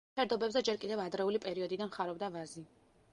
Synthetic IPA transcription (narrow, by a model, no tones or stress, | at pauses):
ɛɾd̪ɔbɛbzɛd͡ʒɛɾkʼid̪ɛvad̪ɾɛulipʼɛɾiɔd̪id̪anχaɾɔbd̪avazi